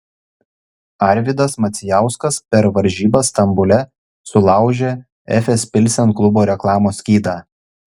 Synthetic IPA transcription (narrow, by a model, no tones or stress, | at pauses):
ɑˑɾʲʋʲɪd̪ɐsmɐt̪sʲɪjæˑʊskɐspʲɛɾʋɐɾʲʒʲiːbɐst̪ɐmbʊlʲɛ | sʊlˠɑˑʊʒʲeː | ɛ̰fʲɛspʲɪlʲsʲɛnklˠʊboːɾʲɛklˠɑːmoːsʲkʲiːd̪ɑː